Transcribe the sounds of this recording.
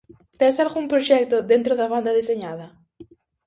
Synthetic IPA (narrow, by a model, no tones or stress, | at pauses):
t̪esalɣumpɾoʃɛk̚t̪oðent̪ɾoðaβand̪aðiseɲaðɐ